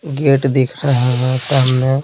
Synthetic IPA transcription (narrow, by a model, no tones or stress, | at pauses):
ɡeʈd̪ekʰɾəɦeɦɛ̃ʈamːẽ